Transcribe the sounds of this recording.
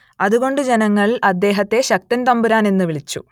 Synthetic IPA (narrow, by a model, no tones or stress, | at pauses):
ɐðuɣo̞ɳɖɨd͡ʑe̞nɐŋːɐɭɐd̪ːe̞ːɦɐt̪ːe̞ɕɐk̚t̪ɐnt̪ɐmbuɾaːne̞nːuʋiɭit͡ɕːṵ